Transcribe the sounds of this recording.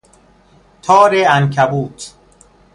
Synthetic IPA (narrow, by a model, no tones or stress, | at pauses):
t̪ʰɔːɾeænkʰæbuːt̪ʰ